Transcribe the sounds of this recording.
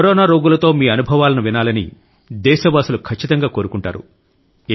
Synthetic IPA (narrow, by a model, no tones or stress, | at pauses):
ɾɔːnaːɾoːɡulɐt̪o̞ːmiːɐnubʱɐʋaːlɐnuʋinaːlɐnḭ | d̪ɛːʃɐʋaːsɐlukʰɐt͡ʃːit̪ɐŋɡaːko̞ːɾukuɳʈa̰ːɾṵ